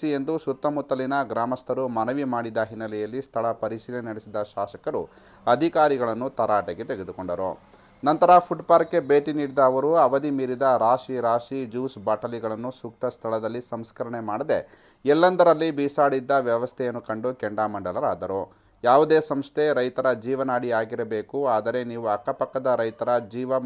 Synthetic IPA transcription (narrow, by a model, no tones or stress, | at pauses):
ie̞nd̪usut̪ːɐmut̪ːɐlinɐɡɾaːmɐst̪ʰɐɾumɐnɐʋimaːɽid̪ɐɦinːɐlɛjɐlːist̪ʰɐɭɐpɐɾisiːlɐnɐɽesid̪ɐʃaːʃɐkɐɾu | ɐd̪ʱikaːɾiɡɐɭɐnːut̪ɐɾaːʈeɡet̪eɡe̞d̪uko̞ɳɖɐɾo̰ | nɐnt̪ɐɾɐpʰuʈpaːɾkːe̞be̞ːʈiniːɽid̪ɐːʋɐɾuɐʋɐd̪imiːɾid̪ɐɾaːʂiɾaːʂid͡ʒuːsbaːʈɐliɡɐɭɐnːusuk̚t̪ɐst̪ʰɐɭɐd̪ɐlːisɐmskɐɾɐɳe̞maːɽɐd̪e̞ | ɛlːɐnd̪ɐɾɐlːibiːsaːɽid̪ːɐʋjɐʋɐst̪ʰɛjɐnːukɐɳɖukɛɳɖaːmɐɳɖɐlɐɾaːd̪ɐɾo | jaːʋud̪e̞ːsɐmst̪ʰe̞ɾɐjt̪ɐɾɐd͡ʒiːʋɐnaːɽiaːɡiɾɐbe̞ːkuaːd̪ɐɾe̞niːʋuɐkːɐpɐkːɐd̪ɐɾɐjt̪ɐɾɐd͡ʒiːʋɐ